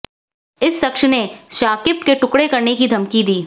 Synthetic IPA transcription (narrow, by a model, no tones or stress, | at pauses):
ɪsːɐkʃneʃaːkɪp̚keʈʊkɽekɐɾnekid̪ʱɐmkid̪iː